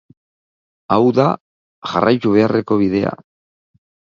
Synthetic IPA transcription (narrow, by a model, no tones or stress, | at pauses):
awða | ʝarʔajt̪uβ̞e̞are̞ko̞β̞iðe̞a̰